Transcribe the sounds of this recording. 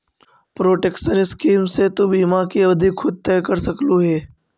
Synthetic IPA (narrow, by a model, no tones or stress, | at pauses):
pɾoːʈeːkʃənɪskiːmset̪obiːmakiɐbd̪ʱikʰːʊd̪̚t̪ɛːkəɾsɐkluɦɛː